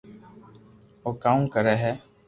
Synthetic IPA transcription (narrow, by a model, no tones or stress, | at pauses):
oːkaːũːkəɾɛːɦɛː